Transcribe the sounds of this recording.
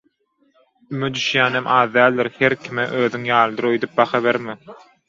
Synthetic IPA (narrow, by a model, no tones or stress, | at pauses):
ymyd̪yʃjæːnemʔɑːðd̪æːlʲd̪iɾheɾkʲʰimeʔøːðyŋjɑːlˠɯd̪ɯɾøjd̪yp̚bɑxɑβeɾmɪ